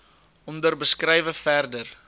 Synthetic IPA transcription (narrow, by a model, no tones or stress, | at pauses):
ɔndərbəskrɛjvəfærdər